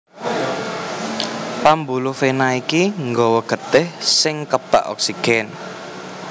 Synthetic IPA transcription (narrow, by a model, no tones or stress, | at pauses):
pambulufenaikiŋɡɔwɔɡ̥ə̤t̪ɪhsɪŋkəb̥a̰ʔɔ̰ksiɡ̥ɛn